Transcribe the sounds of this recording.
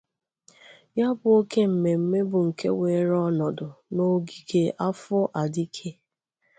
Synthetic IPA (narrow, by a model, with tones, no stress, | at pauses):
ja˦bʊ˨o˦ke˦m̩˨me˨m̩˦me˦bʊ˨ŋ̩˨kḛ˦we˨˦ɾɔ˦nɔ˨dʊ˨no˦ɡi˨ɡe˦ʔa˦fʊ˦ʔa˨di˦kʰe˦